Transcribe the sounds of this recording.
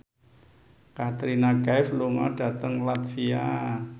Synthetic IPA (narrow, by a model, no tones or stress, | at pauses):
kat̪ɾinaɡafluŋɔ̰ɖ̥a̤t̪əŋlat̪fia